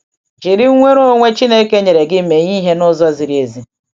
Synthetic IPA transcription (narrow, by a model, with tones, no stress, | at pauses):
d͡ʒi˨ɾɪ˦ŋʷe˦ɾo˦ŋʷe˦t͡ʃi˦ne˦ke˦ɲe˨ɾe˨ɡɪ˦m̩˦˨me˨ɲi˦ɦe˦nɔ˦zɔ˦a˦zi˨ɾi˦e˨zi˦